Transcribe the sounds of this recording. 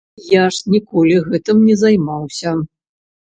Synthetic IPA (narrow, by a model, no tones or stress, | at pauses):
jaʂnʲikɔlʲiɣɛt̪ɨmnʲɛzajmawsʲɐ